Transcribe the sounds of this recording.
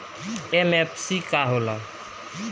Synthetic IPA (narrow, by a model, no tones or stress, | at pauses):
emepʰsikaɦolə̃